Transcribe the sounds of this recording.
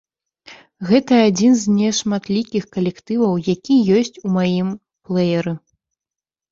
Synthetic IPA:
ɣɛt̪ɐːd͡zʲinzʲnʲɛʂmat̪lʲikʲixkɐlʲɛkt̪ɨvɐwjakʲijɔsʲt͡sʲumajim | plˠɛjɐɾɨ

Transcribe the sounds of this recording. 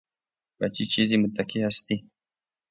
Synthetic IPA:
bat͡ʃit͡ʃizimʊt̪ːakiɦast̪i

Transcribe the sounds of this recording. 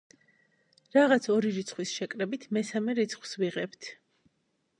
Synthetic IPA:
ɾaʁat̪sʰɔɾiɾit̪sʰχwisʃɛkʼɾɛbit̪ʰmɛsamɛɾit̪sʰχw̥sviʁɛpt̪ʰ

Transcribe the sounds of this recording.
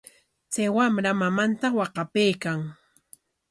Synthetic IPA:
t͡sajwamɾamamant̪awɑqɑpejkaŋ

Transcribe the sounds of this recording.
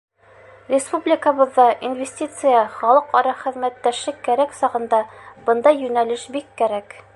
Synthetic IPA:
rʲɪspublʲɪkəβɤ̆ðːɑʔinvʲesʲtʲit̪sɨjɑχɑlˠɤqɑɾɑχɘ̆ðmæt̪ːæʃlɘkːæɾæksɑʁɤ̆nd̪ɑbɤ̆nd̪ɑjːʉnælɘʃbikːæɾæk

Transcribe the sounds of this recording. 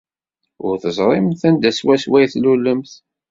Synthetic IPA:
ʊ̰ɾθəzˤɾˤɪmθænd̪æswæswæjθlulːəmθ

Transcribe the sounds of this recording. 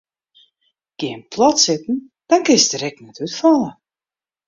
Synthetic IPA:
ɡ̥ɪənpʰlɔtsɪtn̩ | d̥ɔnkɪnsdərɛk̚nɛtytfɔlˠə

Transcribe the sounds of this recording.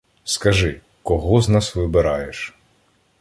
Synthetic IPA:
skɐʒɪ | kɔɦɔznɑsʋɪbɪɾɑjeʃ

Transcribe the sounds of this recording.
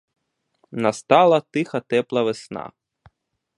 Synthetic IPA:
nɐst̪ɑlˠɐt̪ɪxɐt̪ɛplˠɐʋesnɑ̰

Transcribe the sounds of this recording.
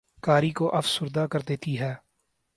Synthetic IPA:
kaːɾikoʔɐfsʊɾd̪akəɾd̪eːt̪iɦɛː

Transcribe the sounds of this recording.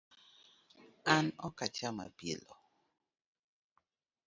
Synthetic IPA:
anɔkat͡ʃama̰bḭlɔ

